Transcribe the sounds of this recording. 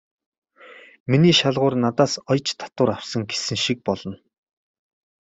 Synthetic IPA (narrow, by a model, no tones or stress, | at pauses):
miniːʃaɮʁʊːrnat̪aːsɔjt͡ɕt̪ʰḁt̪ʊːɾawsə̆ŋɡe̥sɘ̆ŋʃik̚pɔɮɞ̆n